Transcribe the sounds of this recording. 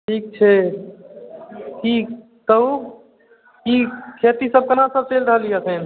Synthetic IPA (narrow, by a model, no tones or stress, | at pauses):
ʈʰiːk̚t͡ʃʰɛ | ki | t̪əũ | kikʰet̪isəb̚kənãsəb̚t͡ʃelɾəɦəliasen